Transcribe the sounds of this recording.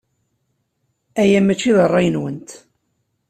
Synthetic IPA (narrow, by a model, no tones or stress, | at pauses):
æjæmæt͡ʃːiðərˤːɑjənwənt̪